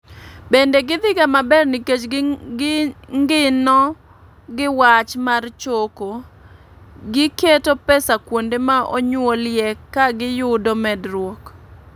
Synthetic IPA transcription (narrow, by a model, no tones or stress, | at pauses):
bendeɡɪd̪ɪɡamabɛrnɪket͡ʃ | ŋɡɪnɔ | ɡɪwat͡ʃmart͡ʃoko | ɡɪketopɛsakwondemaʔo̰ɲwoljɛkaɡɪjʊdomɛdrwɔk